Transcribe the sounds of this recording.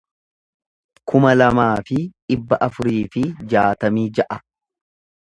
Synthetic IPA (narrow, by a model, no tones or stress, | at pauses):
kʊmɐlɐmaːfɪᶑɪbːɐʔɐfʊɾiːfɪd͡ʒaːt̪ɐmiːd͡ʒɐʔɐ̥